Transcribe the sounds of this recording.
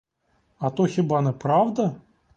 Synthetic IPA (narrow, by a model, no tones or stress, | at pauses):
ɐt̪oxʲibanɨpɾawd̪ɐ